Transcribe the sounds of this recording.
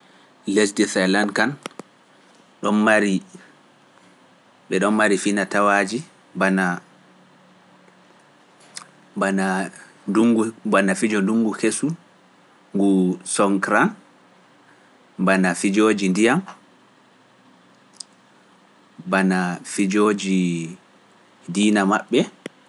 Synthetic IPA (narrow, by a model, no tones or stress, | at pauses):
lesdɛθajlankan | ɗɔnmaɾi | ɓɛɗɔmːaɾifinatawad͡ʒi | bana | bana | duŋɡubanafid͡ʒɔduŋɡukesu | ŋɡusɔŋkɾan | banafid͡ʒoːd͡ʒindijam | banafid͡ʒod͡ʒi | diːnamaɓːɛ